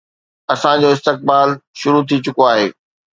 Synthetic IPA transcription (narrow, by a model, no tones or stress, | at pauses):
ɐsãd͡ʑoːɪst̪ɪk̚baːlʃʊɾut̪ʰit͡ɕʊkoaːɦeː